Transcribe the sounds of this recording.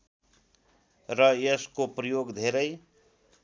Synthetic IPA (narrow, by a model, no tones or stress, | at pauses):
rʌjeskoprʌjoɡd̪ʱeɾʌj